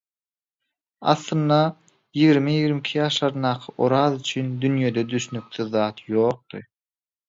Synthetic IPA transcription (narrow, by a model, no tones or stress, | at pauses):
ɑ̰θlˠɯnːɑ | jiɣɾimijiɣɾimikʰijɑːʃlˠɑɾɯnd̪ɑːqʰɯʔoɾɑðyt͡ʃʰynd̪ynjed̪ed̪yʃynyk̚θyðːɑːt̪jo̞ːq̚t̪ɯ̰